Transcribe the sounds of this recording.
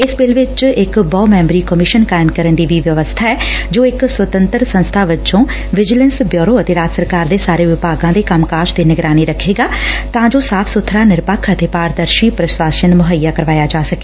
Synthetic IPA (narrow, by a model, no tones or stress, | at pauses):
ɪsbɪlʋɪt͡ʃɪkbɔːmɛ̃ːmbɾiːkəmɪʃənkaːɪmkəɾənd̪iːʋiːʋjəʋəst̪ʰaːɛːd͡ʒoːɪksʋət̪ənt̪əɾsə̃nst̪ʰaːʋɪt͡ʃõː | ʋɪd͡ʒɪlə̃nsbjoːɾoːət̪eːɾaːd͡ʒsəɾkaːɾd̪eːsaːɾeːʋɪpaːɡãːd̪eːkəmkaːʃd̪eːnɪɡɾaːniːɾəkʰːeːɡaːt̪ãːd͡ʒoːsaːpʰsʊt̪ʰːɾaːnɪɾpəkʰət̪eːpaːɾd̪əɾʃiːpɾəʃaːʃənmʊɦəjaːkəɾʋaːjaːd͡ʒaːsəkeː